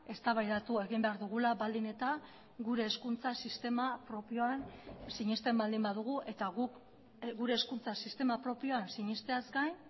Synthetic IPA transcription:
e̞st̪aβajðat̪ue̞ɣimbe̞aɾðuɣulaβald̪ine̞t̪a | ɡuɾe̞ːskunt͡sasist̪e̞mapɾo̞pio̞ansiɲist̪e̞mbald̪imbaðuɣ̞uʔe̞t̪aɣuk | ɡuɾe̞ːskunt͡sasist̪e̞mapɾo̞pio̞ansiɲist̪eazɡajn

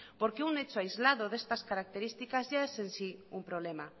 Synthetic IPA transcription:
poɾkeunet͡ʃoajzlað̞oðest̪askaɾak̚t̪eɾist̪ikazʝaesensiumpɾoβ̞lema

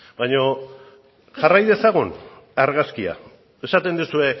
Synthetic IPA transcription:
baɲo̞ | ʝarajðe̞saɣ̞unaɾɣaskia̰ | e̞sat̪e̞nd̪usue̞

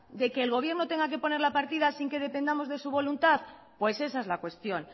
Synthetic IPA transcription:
d̪e̞keːlɣ̞o̞β̞jeɾnot̪e̞ŋɡak̬e̞po̞ne̞ɾlapaɾt̪ið̞asiŋke̞ðe̞pend̪amo̞zðe̞suβo̞lunt̪aθ | pwe̞se̞saezlakwe̞st̪jon

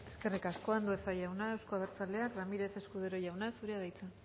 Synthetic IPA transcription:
e̞ske̞rikasko̞and̪uesajawnaewsko̞aβeɾt͡sale̞akramiɾe̞se̞skuðeɾo̞ʝawnasuɾeaðajt͡se

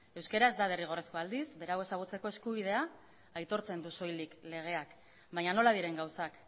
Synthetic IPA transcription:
e̞wskeɾazd̪aðeriɣ̞o̞resko̞ald̪isbe̞ɾawe̞saɣ̞ut͡se̞ko̞e̞skuβ̞ið̞e̞aː | jt̪o̞ɾt͡se̞nd̪uso̞jlikle̞ɣ̞e̞ak | bajɲano̞lað̞iɾe̞ŋɡawsak

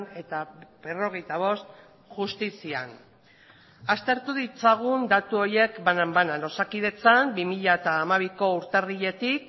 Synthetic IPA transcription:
ne̞t̪abe̞ro̞ɣ̞e̞jt̪aβ̞o̞st̪ | ʝust̪isia̰n | ast̪e̞ɾt̪uðit͡saɣ̞und̪at̪uo̞ɾje̞kbanambanalo̞sakið̞e̞t͡sambimiʎaet̪aːmaβ̞iko̞uɾt̪e̞riʎe̞t̪ik

